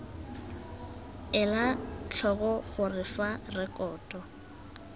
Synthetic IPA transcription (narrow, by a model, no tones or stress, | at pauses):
ɛlat͡ɬʰɔɣɔχʊrɪfarɛkʼɔːtʼɔ